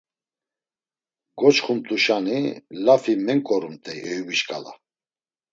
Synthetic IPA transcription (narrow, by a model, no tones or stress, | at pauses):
ɡɔt͡ʃχumt̪ʼuʃanilafimɛŋkʼɔɾumt̪ʼɛʔɛjubiʃkʼa̰la̰